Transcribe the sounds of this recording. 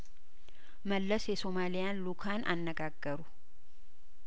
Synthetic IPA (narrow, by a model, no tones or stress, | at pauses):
məlːəsjɛso̞malijanlukʰanʔa̰nːəɡaɡːəɾu